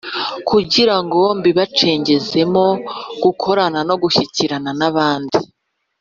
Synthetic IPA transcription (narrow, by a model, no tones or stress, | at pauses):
kuɟiɾaŋɡo̞mbiβat͡ʃe̞ːɲɟe̞ze̞mo̞ɡ̥ukʰo̞ɾanano̞ɡuçiciɾananaβaːndi